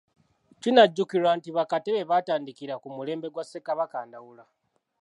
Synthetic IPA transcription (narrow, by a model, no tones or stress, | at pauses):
twinaɟːukiɾaːntiβakateβe̞βaːtaːndikiɾakumule̞ːmbe̞ɡwasekaβakaːndawula